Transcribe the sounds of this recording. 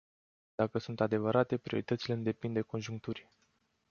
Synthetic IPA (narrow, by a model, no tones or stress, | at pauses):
d̪̥akəsunt̪ad̪e̞vəɾʔat̪e̞pɾio̞ɾit̪ət̪sileɨnd̪e̞pind̪e̞ko̞nʒuŋk̚t̪uɾʲ